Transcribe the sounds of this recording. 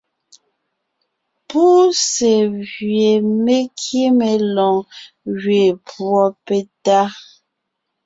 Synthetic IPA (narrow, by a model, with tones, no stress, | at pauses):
pu˦se˨ɣɥe˨me˦kʰje˦me˨lɔ̃˨ŋ | ɣɥe˨pwɔ˨pe˨ta˦